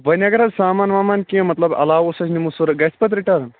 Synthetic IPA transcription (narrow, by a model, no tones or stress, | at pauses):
ʋɐnjaɡɐɾasaːmaːnʋaːmaːnkĩmɐt̪lɐbɐ̰laːʋosɐsnimusuɾɐɡɐspɐt̪ɾiʈɐɾn